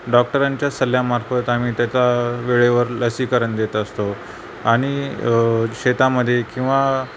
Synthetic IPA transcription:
ɖɔk̚ʈəɾaɲt͡ɕjasəljamaɾfət̪am̤iːt̪jat͡saʋeɭeʋəɾləsiːkəɾəɳd̪et̪əst̪o | aɽ̃i | ɕet̪aməd̪ʱːjekĩw̃ʋa

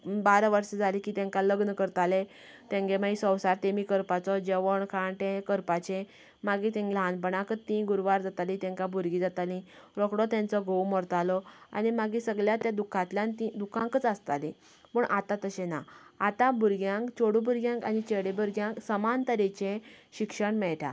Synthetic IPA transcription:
baɾəʋəɾsəd͡zalĩkiːt̪jɛ̃ŋkaləɡnəkəɾt̪ale | t̪ẽŋɡemaisə̃wsaɾt̪emiːkəɾpat͡sɔd͡ʑeʋəɳkʰaɳʈẽkəɾpat͡ɕẽ | maɡit̪ẽŋɡilɦanpəɳakət̪ːĩɡuɾʋaɾd͡zat̪alĩt̪ɛ̃ŋkabʱuɾɡid͡zat̪alĩ | ɾɔkɽɔt̪jãnt͡sɔɡowmɔɾt̪alɔa̰nimaɡĩsəɡljat̪jad̪ukʰãt̪ljãnt̪ĩd̪ukʰãŋkət͡sast̪alĩ | pəɳʔat̪ãt̪əɕena̰at̪ãbʱuɾɡjãŋkt͡ɕoɽubuɾɡjãŋkanit͡ɕeɽebuɾɡjãŋksəmant̪əɾit͡ɕẽɕikʂəɳmɛɭʈʰa̰

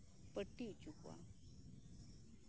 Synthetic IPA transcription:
pəʈːit͡ʃukwa̰

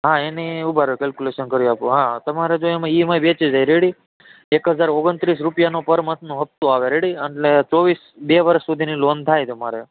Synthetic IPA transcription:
ɦãeniubʱaɾkɛlkuleʃənkəɾjõapũɦãt̪əmaɾed͡ʒoemãimajbet͡ʃid͡ʒajɾeɽi | ekɦəd͡ʒaɾoɡənt̪ɾis̬ɾupjanopəɾmət̪nũɦəp̚t̪ũaʋeɾeɽiəɳʈlet͡ʃɔʋis | beʋəɾəʃːud̪ʱinilont̪ʰajt̪əmaɾe

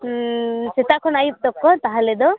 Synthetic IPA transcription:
set̪akʰɔnajup̚d̪ɔkːɔt̪aɦaled̪ɔ

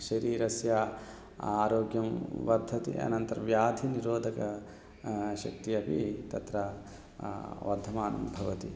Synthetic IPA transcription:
ʃɐɾiːɾɐsjaː | aːɾoːɡjɐmʋɐɾd̪ʱːɐt̪ḭʔɐ̰nɐnt̪ɐɾɐʋjaːd̪ʱiniɾoːd̪ʱɐkɐ | ʃɐk̚t̪iɐpit̪ɐt̪ɾɐ | ʋɐɾd̪ʱɐmaːnɐ̰mbʱɐʋɐt̪i

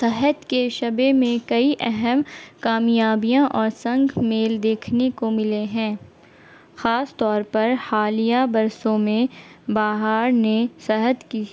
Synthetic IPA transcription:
sɐɦət̪keʃɐbemẽkɐiʔɛɦɛmkaːmjaːbijãʔɔːɾsɐ̃ŋɡʱmeːld̪eːkʰnekomɪleɦɛ̃ː | xaːst̪ɔːɾpɐɾhaːlijabɐɾsõmẽbaːɦaːɾnesɐɦət̪ki

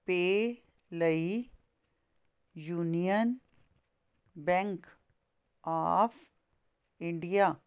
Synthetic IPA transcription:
peː | ləi | juːnijən | bɛ̃ŋk | a̰f | ɪ̃ɳɖija

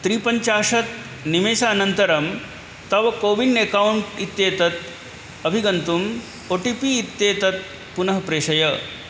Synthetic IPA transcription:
t̪ɾiːpɐɲt͡ʃaːʂɐt̪ | nimeːsaːnɐnt̪ɐɾɐm | t̪ɐʋɐkoːʋiɳɖekauɳʈit̪jeːt̪ɐt̪ | ɐbʱiɡɐnt̪um | oːʈipiːt̪jeːt̪ɐt̪̚ | punɐɦɐpɾeːʃɐjɐ

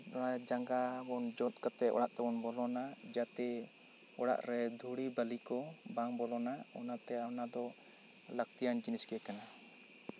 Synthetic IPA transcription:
ɔɽad͡ʒaŋɡabɔnd͡ʒɔt̪̚kat̪ɛʔɔ̰ɽaʔt̪ɛbɔnbɔlɔnad͡ʒat̪ɛ | ɔɽa̰ʔɾɛd̪ʱuɽibəlikɔbaŋbɔlɔnaɔnat̪ɛanad̪ɔ | lak̚t̪ijand͡ʒiniskɛɛkana

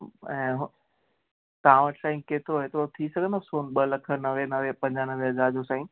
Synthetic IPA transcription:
ɛ̃ːɦ | t̪ɐʋãʋəʈʰsaːĩkeːt̪ʰoɦet̪ot̪ʰisɐɡʱə̃nd̪osoːnɓəlɐkʰənɐʋenɐʋepɐ̃ɲd͡ʑanɐʋeɦɐzaːɾd͡ʑosãːĩ

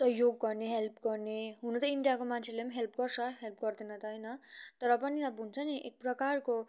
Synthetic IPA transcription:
sʌɦjoɡːʌrneɦelpɡʌrneɦunut̪ʌiɳɖijakomant͡sʰelemɦelpɡʌrt͡sʰʌɦelpɡʌrd̪enʌt̪ʌjnʌt̪ʌɾʌpʌninʌbʱunt͡sʰʌniʔḛk̚prʌkarko

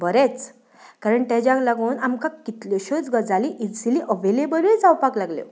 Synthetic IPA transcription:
bəɾet͡s | kaɾəɳt̪ãd͡ʑaklaɡoːnamkãkit̪ljɔɕod͡zɡəd͡zaliʔisiliʔəʋelebəɾid͡zawpaklaɡljo̰

